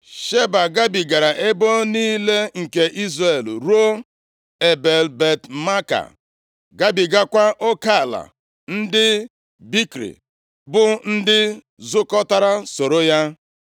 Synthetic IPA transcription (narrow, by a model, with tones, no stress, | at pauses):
ʃe˦ba˨ɡa˦bi˨ɡa˨ɾa˨ʔe˦bo˦niː˦le˦ŋ̩˨ke˨ʔi˦zɾe˦˨lɾu˦o˦ | e˨be˨lbe˨tma˦ka̰˨ | ɡa˦bi˨ɡa˦kʷa˦ʔo˦ka˦˨la̰˨ | n̩˦dɪ˦ | bi˦kɾḭ˨ | bʊ˦n̩˦dɪ˦ | zʊ˦kɔ˦ta˦ɾa˦so˨ɾo˦ja˦